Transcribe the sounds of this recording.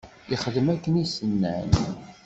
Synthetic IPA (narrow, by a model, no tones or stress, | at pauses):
iχəðəmækːənisənːæ̰n